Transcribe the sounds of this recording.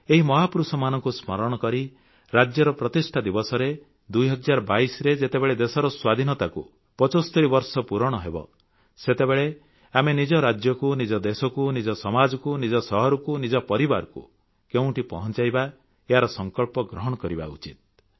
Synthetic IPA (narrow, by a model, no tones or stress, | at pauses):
eɦimɔɦapɾusɔmanɔŋkusmɔɾɔɽ̃ɔkɔɾi | ɾad͡ʒjɔɾɔpɾɔt̪isʈʰad̪ibɔsɔɾe | d̪ujɦɔd͡ʒaɾɔbaisɔɾed͡ʒet̪ebeɭed̪esɔɾɔswad̪ʱinɔt̪akṵ | pɔt͡ʃɔst̪ɔɾibɔɾsɔpuɾɔɽ̃ɔɦebɔ̰ | set̪ebeɭe | amenid͡ʒɔɾad͡ʒjɔkunid͡ʒɔd̪esɔkunid͡ʒɔsɔmad͡ʒɔkunid͡ʒɔsɔɦɔɾɔkunid͡ʒɔpɔɾibaɾɔkṵ | keũʈipɔɦɔnt͡ʃajba | eɦaɾɔsɔŋkɔɭpɔɡɾɔɦɔɽ̃ɔkɔɾiba̰ṵt͡ʃit̪̚